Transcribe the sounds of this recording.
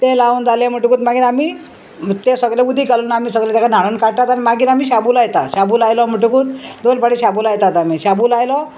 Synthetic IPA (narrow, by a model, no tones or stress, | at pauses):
t̪elauːnd͡zalem̤əʈukuːt̪maɡiːɾamiː | t̪esəɡleud̪ʱiːkalunaːmiːsəɡlet̪jakanaɽ̃unkaɽ̚ʈ̪at̪añimaɡiːɾamiːɕabuːlajt̪aɕabuːlajlɔm̤əʈukuːt̪d̪olpaɽeɕabulajt̪at̪amiːɕabuːlajlɔ